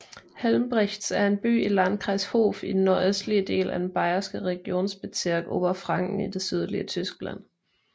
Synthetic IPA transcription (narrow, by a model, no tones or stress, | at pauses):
helmb̥ʁɛçd̥sæɐe̝nb̥y̰ːilænkʰʁɑ̈sho̝ːfid̥n̩ːoɐøsd̥liəd̥e̝̰ːlʔæd̥en̩b̥ɑ̈ɪɐsɡ̥əʁɛɡ̥jo̝̰ːnsb̥e̝t͡sʰiɐɡ̥o̰ːb̥ɐfʁɑ̈ŋ̰ɡ̥n̩id̥e̝syð̞ˠlḭət͡sʰysɡ̥læ̰n̰